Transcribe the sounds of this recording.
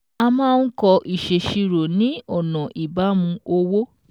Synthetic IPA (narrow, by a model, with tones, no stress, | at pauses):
a˧mãː˦˧n̩˦kɔ˧ʔi˨ʃe˨ʃi˧ɾo˨nĩ˨˦ɔ˦˨nɔ̃˨ʔi˨ba˨˦mũ˧o˧wo˦